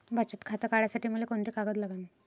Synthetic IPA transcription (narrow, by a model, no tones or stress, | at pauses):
bʱat͡ɕət̪kʰat̪əkaɭjasaʈiːməlekoɳt̪iːkaɡət̪laɡami